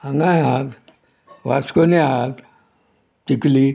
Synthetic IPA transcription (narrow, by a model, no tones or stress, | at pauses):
ãŋɡãjaɦat̪ | ʋaskoniaɦat̪ | t̪ikli